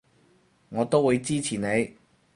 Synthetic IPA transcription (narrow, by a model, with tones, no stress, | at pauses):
ŋɔː˨˧t̪o˥wu˨˧jt͡siː˥t͡sʰiː˨˩ne˨˧j